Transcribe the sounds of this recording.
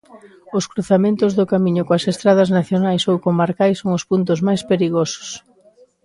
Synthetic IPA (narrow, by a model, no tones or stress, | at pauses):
ʊskɾuθamẽnt̪ʊzðʊkamiɲʊkoɐsest̪ɾaðɐznaθjonajsowkomaɾkajsːoŋospunt̪̬ʊzmajspeɾiɣosʊ̥s